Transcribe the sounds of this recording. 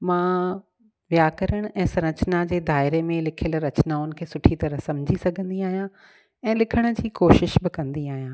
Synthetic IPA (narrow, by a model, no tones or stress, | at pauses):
mãː | ʋjaːkɐɾəɽ̃ʔɛ̃ːsɐɾ̃ət͡ɕnad͡ʑeːd̪ʱaːɪɾemẽlɪkʰjəlɾɐt͡ɕnaʊnɪ̆kʰeːsʊʈʰit̪ɐɾəɦsɐmd͡ʑʱisɐɡʱə̃nd̪iaːɦijã | ɛ̃ːlɪkʰəɽ̃ʊ̆d͡ʑiːkoːʃɪʃbɪkɐ̃nd̪iaːɦijãː